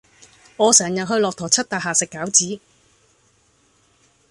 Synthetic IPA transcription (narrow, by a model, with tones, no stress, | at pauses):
ŋɔː˨˧sɛː˨˩ŋjɐ˨n̚ɦɵ˧ɥlɔː˨k̚t̪ʰɔː˨˩t͡sʰɐ˥t̚t̪aː˨˩ɦaː˨sɪ˨kːaː˨˥wt͡siː˨˥